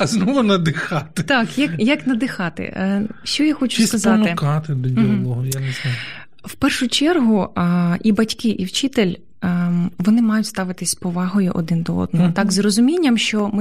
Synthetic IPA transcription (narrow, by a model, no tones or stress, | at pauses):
ɐznɔʋɐnɐd̪ɪxɑt̪ɪt̪ɑkjɐkjɐknɐd̪ɪxɑt̪ɪ̰ʃt͡ʃɔjaxɔt͡ʃʊ̥sskɐzɑmt̪ɪkɑt̪ɪd̪ɔdʲilˠɔɦɔjans | wpɛrʃʊt͡ʃɛrɦʊʔibɐtʲkɪʔiwt͡ʃɪt̪elʲ | ʋɔnɪmɑjʊtʲst̪ɑʋɪt̪ɪsʲpɔʋɑɦɔjʊʔɔd̪ɪnd̪ɔɔ̰d̪nɔɦɔt̪ɑkzrɔzʊmʲinʲːɐmʃt͡ʃɔmɪ